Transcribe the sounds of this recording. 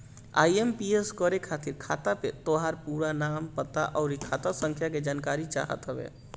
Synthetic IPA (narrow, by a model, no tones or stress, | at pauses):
a̰iempieskəɾekʰat̪iɾkʰa̰t̪apet̪oɦaɾpuɾanampət̪aʔɔʊɾikʰat̪asə̃ŋkʰjaked͡ʒankaɾit͡ʃa̰ɦə̰t̪ɦəbḛ